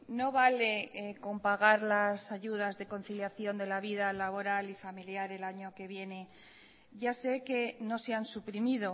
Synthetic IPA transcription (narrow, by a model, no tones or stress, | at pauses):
no̞βale̞ko̞mpaɣaɾlasaʝuð̞azðe̞ko̞n̟θiljaθjo̞nd̪e̞laβiðalaβo̞ɾalifamiljaɾe̞laɲo̞ke̞β̞je̞ne̞ | ʝase̞ke̞no̞seansupɾimiðo̞